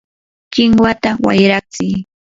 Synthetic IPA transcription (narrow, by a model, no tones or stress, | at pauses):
kɪŋwat̪awa̰jɾak̚t͡sɪ